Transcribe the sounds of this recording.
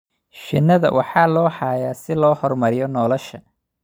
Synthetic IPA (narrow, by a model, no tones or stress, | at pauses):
ʃɪnːɐðɐ̰wʔɑħɑːlɔːħɑːjaːsɪlɔːhɔrmɐɾɪjɔnɔːlɔʃɐ